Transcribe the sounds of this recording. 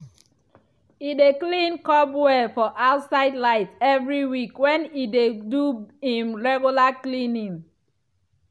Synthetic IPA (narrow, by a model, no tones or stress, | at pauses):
ideklĩnkɔbwɛfɔʔaʊtsaɪdlaɪtɛvɹiwikwɛ̃nideduĩmɹɛɡjulaklĩnĩŋ